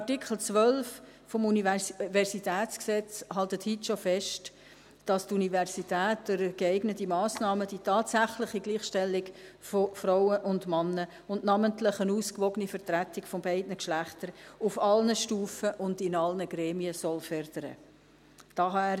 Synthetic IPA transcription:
tikʰl̩t͡sʋœlf | fɔmunivɛɾsitæːtt͡sksɛt͡shɑltəthitʃofɛʃt | d̥ɑstunivɛɾsitɛːtdɪɾɡ̥eæɪɡnətimɑːsnɑːməd̥itɑːtsæχlɪχiɡliːχʃtɛlːɪɡfɔfɾaʊəʔʊndmɑnːə | ʊndnɑməntlɪχənuːskʋɔɡənifəɾtɾætːɪkfɔmbæɪdnəkʃlæχtəɾʊfɑlnəʃtuːfəʔʊndɪnɑlnəɡɾɛːmiəsɔlfœɾd̥əɾə̰ | d̥ɑːɦɑæː

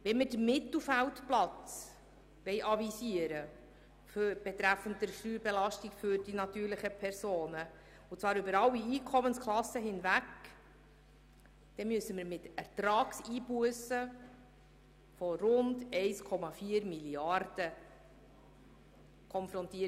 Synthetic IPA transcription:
ʋɛnmɪdəmɪt̪l̩ˠfæltplɑt͡s | ʋɛɪʔɑvisiəɾə | føɾb̥ɛt̪ɾæfəntdəɾʃtyːbelɑʃtikfʏɾd̥inɑt̪yːɾlɪχəpʰɛɾsoːnə | ʊt͡svɑːɾʏbəɾɑwːiiːkʰɔmənskʰlɑsːəɦɪnvæk | d̥ɛmyəsəmɪɾmɪtæɾtɾɑːksiːbuəsə | fɔɾʊndɛɪskʰɔmɑfiəɾmiliɑrd̥ə | kʰɔnfɾɔntiə

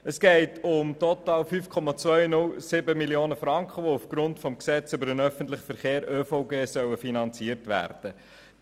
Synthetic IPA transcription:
əsɡ̥ɛɪtʰʊmtɔtɑːlfyːfkʰɔmɑt͡sʋœʏnʊlsɪbəmilioːnəfɾɑŋkχəʋoufɡ̥ɾʊntfɔmksɛt͡sʏbəɾənœfən̩tlɪχfəɾχeːɾøːfɔʊɡeːsœwəfinɑnt͡siərtʋæ̰ːrd̥ə

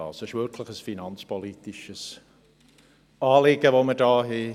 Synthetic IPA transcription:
ɑ̰ːsəʃwørkʰlˠəχəsfinanspʰɔlit̪ɪʃəz̥ | ɑːlɪɡəvomədɑːɦe

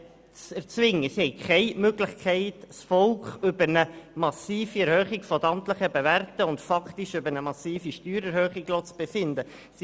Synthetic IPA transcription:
t͡sɛɾt͡sʋɪŋːəsihɛɪkʰɛɪmøɡlɪχkʰɛɪtsfɔlkχʏbəɾnəmɑsiːfiɛɾhøχɪɡfɔt̪ɑmt̪ləχəbeværtəʊntfɑkt̪iʃʏbəɾnəmɑsiːfiʃtyːɾɛɾhøːχiɡlot͡sb̥efɪnd̪ə | si

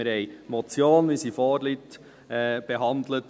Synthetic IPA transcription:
ɪɾhɛjmɔt͡sjoːnmɪsifɔːɾlit | ɛb̥eɦɑnd̪lət

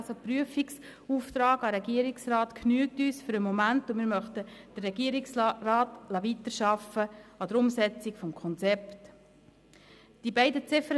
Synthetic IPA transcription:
sopryəfiksuːft̪ɾɑːɡɑɾɛɡiəɾiksrɑːtkʰnyːk̚tyːsfʏɾəmɔmæntʊmɪːɾmœχt̪əd̥ərːɛɡiəɾiksrɑːtlɑʋit̪əɾʃɑfəɑd̪əɾʊmsɛt͡sikfɔmkʰɔnt͡sɛpt | d̥ibɛɪdət͡sɪfəɾ

